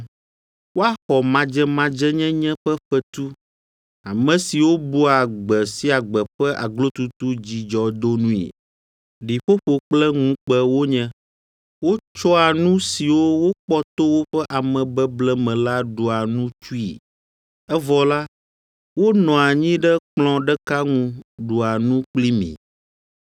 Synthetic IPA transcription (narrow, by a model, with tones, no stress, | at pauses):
wo˦a˦xɔ˨mã˨d͡ʒɛ˦mã˨˦d͡ʒɛ˦ɲɛ̃˦ɲɛ̃˦ɸɛ˦ɸɛ˦t̪u˦ | a˨mɛ̃˨si˨wo˦bu˦a˨ɡ͡bɛ˨si˦a˨ɡ͡bɛ˨ɸɛ˦ʔa̰˨ɡlo˦t̪u˦t̪u˦d͡ʑi˨d͡ʒɔ˨d̪o˦nũ˦ḭ˨ | ɖi˨ɸo˦ɸo˨k͡plɛ˦ŋũ˦k͡pɛ˦wo˦ɲɛ̃˦ | wo˦t͡ʃɔ˦a˨nũ˦si˨wo˦wo˦k͡pɔ˦t̪o˦wo˦ɸɛ˦ʔa˨mɛ̃˨bɛ˦blɛ˦mɛ̃˨la˦ɖo˨a˨nũ˦t͡ʃu˦ḭ˨ | ɛ˦vɔ˨la˦ | wo˦nɔ̃˨a˨ɲĩ˦ɖɛ˦k͡plɔ̃˦ɖɛ˦ka˦ŋũ˦ɖu˨a˨nũ˦k͡pli˦mḭ̃˨